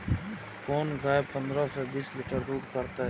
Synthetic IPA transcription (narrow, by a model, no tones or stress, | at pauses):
koːnɡaːepə̃nd̪ɾasebiːsliʈəɾd̪uːɾkəɾt̪aɦ